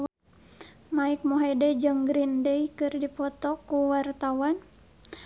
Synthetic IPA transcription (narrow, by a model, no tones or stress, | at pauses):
maik̚moɦɛdɛd͡ʒəŋɡɾindəikɨrdipɔt̪ɔkuwart̪awan